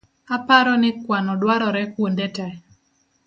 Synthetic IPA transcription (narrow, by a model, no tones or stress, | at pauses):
apaɾɔnɪkwanɔdwaɾɔɾɛkwondetɛ